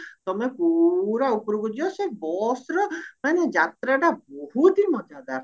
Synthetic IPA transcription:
t̪ɔmepuɾaupɾuɡɔd͡ʒiɔsebɔsɾɔmaned͡ʒat̪ɾaɖabɔɦut̪imɔd͡ʒad̪aɾ

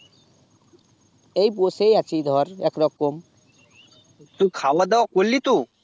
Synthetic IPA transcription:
ejp̬osejat͡ɕʰijd̪ʱɔɾɛkɾɔkom | t̪ukʰawad̪ɛwakolːit̪u

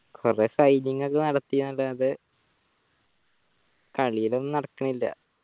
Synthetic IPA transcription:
kʰoresɐjniŋːɐɐkːɨnɐɽɐt̪ːijnːɐlːaɐðɨ | kɐɭijilonːɨnɐɽɐkːɐɳɐilːɐ̰

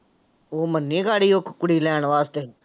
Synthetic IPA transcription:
oːmənːĩːɡaːɽiːoːkʰkʊɽiːlɛːɳʋaːst̪eː

